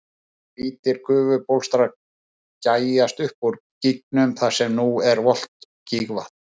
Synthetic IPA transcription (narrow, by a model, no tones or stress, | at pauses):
piːt̪ɪɾ̥kʰʏːvʏpowlst̪ɾa | caːjast̪ʏhpuɾ | cik̚nʏmθḁsɛmnuɛɾvɔl̥t̪ | ciɣva̰ht̪